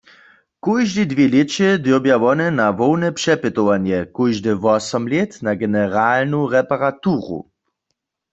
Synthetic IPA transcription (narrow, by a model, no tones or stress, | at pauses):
kujʒdidvjelet͡ʃɛd̪jobjaʋɔnɛnaʋɔwnɛpʃɛpɪt̪owanjɛkujʒdɪʋɔsɔmlet̪naɡɛnɛʁaːlnuʁɛpaʁat̪uːʁṵ